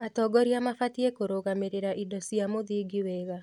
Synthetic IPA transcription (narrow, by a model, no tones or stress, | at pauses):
atɔːɡɔɾiamafatiekoɾoɣameɾeɾaʔidɔsiamoðiːɡiwɛɣa